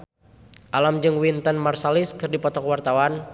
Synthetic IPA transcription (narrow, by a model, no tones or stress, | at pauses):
ʔalamd͡ʒɨŋwint̪ənmarsalɪskɨrdipɔt̪ɔkwart̪awan